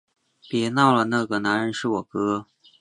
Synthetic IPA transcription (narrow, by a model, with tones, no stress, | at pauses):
pjɛ˧˥nɑ˥˩ʊlə˩na˥˩ɡə˩na˧˥nɻə˧˥nʂɻ̩˥˩wɔ˨˩kɤ˥